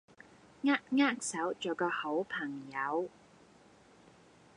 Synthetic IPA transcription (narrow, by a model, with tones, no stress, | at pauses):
ŋaː˥t̚ŋaː˥k̚sɐ˨˥wt͡ʃoː˨˩wkɔː˧ho˨˥wpʰɐ˨˩ŋjɐ˨˧w